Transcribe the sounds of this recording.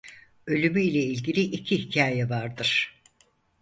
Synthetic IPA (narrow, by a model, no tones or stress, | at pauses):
ø̞lʲymyilʲɛilʲɟilʲiʔicʰihicʰaːjɛvaɾd̪ɯɾ̥